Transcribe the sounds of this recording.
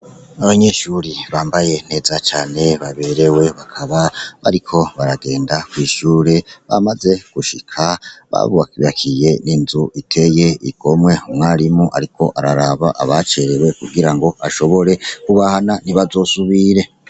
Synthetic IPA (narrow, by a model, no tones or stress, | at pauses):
aβaɲeʃuɾiβaːmbaje̞n̥e̞ːzat͡ʃaːne̞βaβe̞ɾe̞we̞βakʰaβaβa̰ɾikʰo̞βaɾaɡe̞ːndakwiːʃuːɾeβa̰maze̞ɡ̥uʃikʰaβa̰βuakjakʰije̞ninzuʔitʰe̞je̞iɡ̥o̞mŋwe̞umŋaːɾimuʔaɾikʰo̞ʔaɾaɾaβaʔaβat͡ʃe̞ɾe̞we̞kuɡiɾaŋɡo̞ʔaʃo̞βo̞ɾe̞kuβahananiβazo̞ːsuβiɾe̞